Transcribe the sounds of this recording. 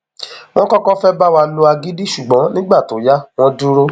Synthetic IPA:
w̃ɔ̃˦kɔ˦kɔ˦fɛ˦ba˦wa˧lo˧a˧ɡi˦di˦ʃu˨ɡ͡bɔ̃˨˦nĩ˦ɡ͡ba˦˨to˨˦ja˦w̃ɔ̃˧du˦ɾo˦

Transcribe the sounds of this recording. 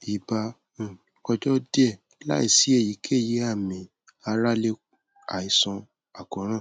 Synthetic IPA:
i˨bã˧˦˨ | ɔ˧d͡ʒɔ˦dɛ˦˨˦la̰˦i˦˨si˨˦e˦˨ji˨˦kʰe˦˨je˨˦a˦˨mĩ˨ | a˧ɾa˦le˦ | a̰˨i˨˧sɔ̃˧ | a˨kɔ̃˨˦ɾ̃ã˦˨

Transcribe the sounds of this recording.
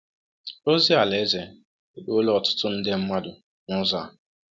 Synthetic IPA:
o˦zi˦a˨le˦ze˨ | e˨blɔ˨tʊ̥˦tʊ˦n̩˦de˦m̩˦ma˦dʊ˨ | nʊ˦za˨

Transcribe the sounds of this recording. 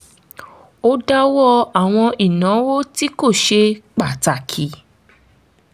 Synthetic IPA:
o˦da˦wɔ˦˧a˨w̃ɔ̃˧ʔi˨nã˨˦wo˦ti˦ko˦˨ʃe˧k͡pa˨ta˨kʰi˨

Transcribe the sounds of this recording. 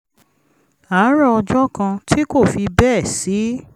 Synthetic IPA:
a˨˦ɾa˦ɔ˧d͡ʒɔ˦kã˧tʰi˦ko˦˨fi˧bɛ˦˨si˨˦

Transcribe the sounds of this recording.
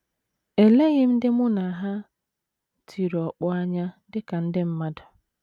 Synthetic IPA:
e˨le˦ɣɪ˦m̩˦dɪ˦mʊ˦na˨ɦa˦ | tʰi˨ɾɔ˨k͡pʊ˦a˦ɲa˦dɪ˦ka˨n̩˦dɪ˦m̩˦ma˦dʊ˨

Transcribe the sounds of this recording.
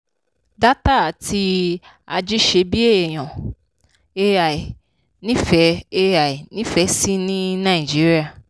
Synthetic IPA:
da˦ta˦˨ti˧ | a˧d͡ʒi˦ʃe˧bi˦e˦˨j̃ã˨ | e˧˦a˨i˨ | nĩ˦fɛ˨˦e˧a˨i˨nĩ˦fɛ˨˧˦si˦nĩ˦nã˦˨d͡ʒi˦ɾi˦a˦˨

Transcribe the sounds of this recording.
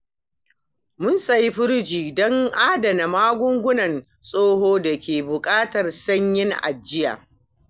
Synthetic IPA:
mʊ˦nsɐ˨ji˦ɸʊ˦ɽd͡ʒiː˨dɔ˦ŋʔaː˦dɐ˨na˨maː˦ɡʷʊ˦ŋɡʷʊ˦nɐ˨n | sʼoː˦ɦoː˦da˨kʲeː˨bʊ˨kʼaː˦tɐ˨rsɐ˦ɲjɪ˦ŋʔa̰˨d͡ʒːɪ˦ja̰ː˨

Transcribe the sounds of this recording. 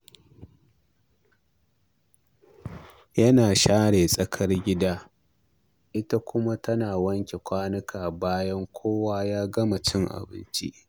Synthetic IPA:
jɐ˦naː˨ʃaː˦ɽeː˨sʼɐ˦kʰɐ˦rɡʲɪ˦daː˦ | ʔɪ˦ta˦kʷʊ˦ma˦tʰɐ˦naː˨wɐ˦ŋkʲe˨kʷaː˦nɐ˦kʰaː˨baː˦jɐ˦ŋkʷʰoː˦waː˦jaː˦ɡɐ˦ma˨t͡ʃɪ˦ŋʔa̰˨bɪ̰˦nt͡ʃḭ˦ʔ

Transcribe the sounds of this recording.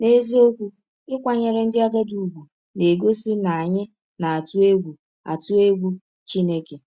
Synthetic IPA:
ne˦zi˦o˦kʷu˦ | ɪ˦kʷa˨ɲe˨ɾɪ˨n̩˦dɪ˦a˦ɡa˦du˨ɡʷu˨ | ne˨ɡo˦si˦na˨ɲɪ˦ | na˨a˨tu˦e˦ɡʷu˨ | a̰˨tu˦e˦ɡʷu˦ | t͡ʃi˦ne˦ke˨

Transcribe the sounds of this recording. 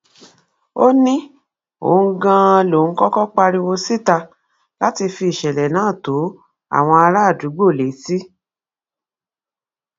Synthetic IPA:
o˦nĩ˦ | o̰˨˦ɡã˧lo˨ŋ̩˦kɔ˦kɔ˦k͡pa˧ɾi˧wo˧si˦ta˧ | la˦ti˧fi˧i˨ʃɛ˨lɛ˨nãː˨˦˨to˨˦ | a̰˦˨w̃ɔ̃˧a˧ɾa˦˨du˨˦ɡ͡bo˦˨le˨˦si˦

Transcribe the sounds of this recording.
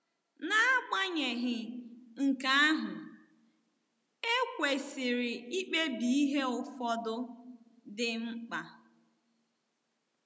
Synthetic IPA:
na˦a˦k͡pa˦ɲe˨ɦɪ˨ŋ̩˨ka˦a˦ɦʊ˨ | e˦kʷe˨sɪ˨ɾɪ˨i˦k͡pe˦bi˨i˦ɦe˦ʊ˨fɔ˦dʊ˦ | dɪ˦ŋ͡m̩˦k͡pa˨

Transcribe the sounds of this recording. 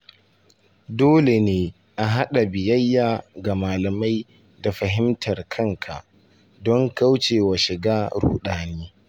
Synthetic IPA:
doː˦le˨neː˦ | ʔa˨ɦa˦ɗa˨bɪ˨jɐ˦jːaː˨ɡa˨maː˨lɐ˨ma˦j | da˨ɸɐ˨ɦɪ˦mtɐ˨rkʰɐ˦ŋkʰa˨ʔ | dɔ˦ŋka˦wt͡ʃeː˨wa˨ʃɪ˨ɡaː˦ɽṵː˨ɗaː˨neː˦

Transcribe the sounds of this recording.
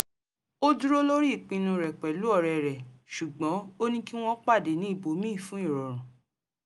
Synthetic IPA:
o˦du˦ɾo˦lo˦ɾi˦i˨k͡pĩ˧nũ˧ɾɛ˨k͡pɛ˨lu˨˦ɔ˦˨ɾɛ˨ɾɛ˨ʃu˨ɡ͡bɔ̃˨˦o˦nĩ˦ki˦w̃ɔ̃˦k͡pa˦˨de˨˦nĩ˨˦i˦˨bo˨˦mĩ˦˨fũ˨˦i˦˨ɾɔ˨ɾ̃ɔ̃˨

